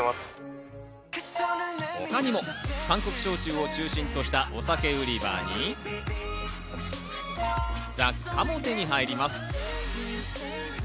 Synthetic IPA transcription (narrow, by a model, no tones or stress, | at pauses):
as | hokaɲ̟imo̞kãŋko̞kɯ̟̥ɕo̞ːt͡ɕɨːo̞t͡ɕɨːɕĩnt̪o̞ɕi̥t̪aʔo̞sake̞ɯ̟ɾʲiba̰ːɲ̟i | d͡za | amo̞t̪e̞ɲ̟iɦaiɾʲimasɨ̥